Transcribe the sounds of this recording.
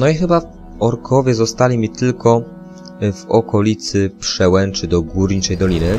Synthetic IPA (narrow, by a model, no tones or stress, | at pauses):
nɔixɘba | ɔɾkʰɔvʲjɛzɔst̪alʲimʲit̪ɘlkɔ | vɔkɔlʲit̪sɘpʂɛwɛnt͡ʂɘd̪ɔɡuɾɲit͡ʂɛjd̪ɔlʲinɘ